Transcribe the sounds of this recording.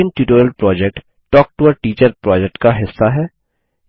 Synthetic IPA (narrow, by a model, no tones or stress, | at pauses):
ənʈjuːʈoːɾəlpɾɔːd͡ʒɛk̚ʈː | ɔːk̚ʈuʋəɾʈiːt͡ʃəɾpɾɔːd͡ʒɛk̚ʈkaɦɪsːaɦɛː